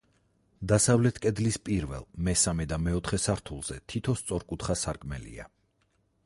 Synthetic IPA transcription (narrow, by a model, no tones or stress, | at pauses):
d̪asavlɛt̪ʰkʼɛd̪lispʼiɾvɛ̰lˠmɛsamɛd̪amɛɔt̪ʰχɛsaɾt̪ʰulˠz̥ɛt̪ʰit̪ʰɔst̪sʼɔɾkʼut̪χasaɾkʼmɛ̰lḭa̰